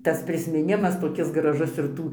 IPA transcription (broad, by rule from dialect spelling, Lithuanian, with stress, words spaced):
tɐs pʲrʲɪsʲmʲɪˈnʲɪmɐs toːˈkʲɪs ɡrɐˈʒʊs ɪr ˈtuː